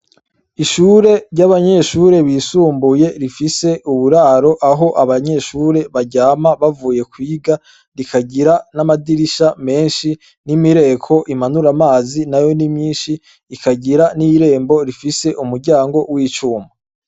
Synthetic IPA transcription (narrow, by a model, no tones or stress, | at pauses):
iʃuːɾe̞ɾɟaβaɲe̞ʃuɾe̞βisuːmbuje̞ɾifise̞ʔuβuɾaːɾo̞ʔaɦo̞ʔaβaɲe̞ʃuːɾe̞βaɟaːmaβavuːje̞kwiːɡa | ɾikʰaɟiɾanamadiɾiʃame̞ːnʃi | nimiɾe̞ːkʰo̞ʔimanuɾamaːzinajo̞nimɲiːnʃiː | kaɟiɾaniɾe̞ːmbo̞ɾifise̞ʔumuɾɟaːŋɡo̞wiːt͡ʃuːma